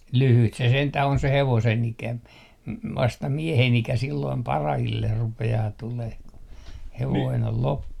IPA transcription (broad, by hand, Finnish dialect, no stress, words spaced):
lyhyt se sentæh on se heʋosen ikæ m ʋɑstɑ miehen ikæ silːoim pɑrɑhilːer rupeɑː tuleh ku heʋoin ol lopːu